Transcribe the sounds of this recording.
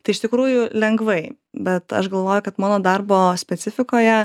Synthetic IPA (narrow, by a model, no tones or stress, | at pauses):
t̪ɐɪɪʃt̪ʲɪkɾuːjʊlʲɛŋɡʋɐɪ | bʲɛt̪ɐ̰ʃɡɐlˠʋoːjʊkɐt̪mɑːnoːd̪ɐrboːsʲpʲɛtt͡s̪ʲɪfʲɪkoːjɛ